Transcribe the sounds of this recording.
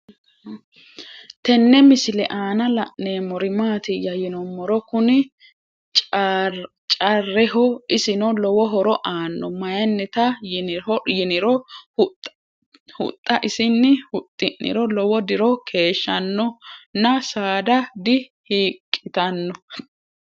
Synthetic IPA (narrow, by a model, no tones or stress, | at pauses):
t̪ɛnːɛmɪsɪlɛ̰ʔaːnɐlɐ̰ʔneːmɔɾɪmaːt̪ɪjɐjɪnɔmːɔɾɔkʊnɪ | t͡ʃʼ | t͡ʃʼɐrːɛɦɔɪsɪnɔlɔwɔɦɔɾɔʔaːnːɔmɐjɐnːɛt̪ɐjɔjɪnɪɾɔʊt | hʊ̰t̪ʼːɐʔɪsɪnːɪhʊt̪ʼːɪʔːɪ̰ɾɔlɔwɔd̪ɪɾɔkʰe̞ːʃːɐnːɔnɐsaːd̪ɐd̪ɪhiːkʼːɪt̪ɐnːɔ